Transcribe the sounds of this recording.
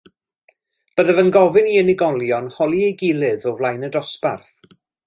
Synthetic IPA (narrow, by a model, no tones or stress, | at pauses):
b̥əðəvənɡɔvɨniənɪɡɔlˠjɔnhɔlˠiejɡɪlˠɨðɔvlˠajnədɔspa̰rθ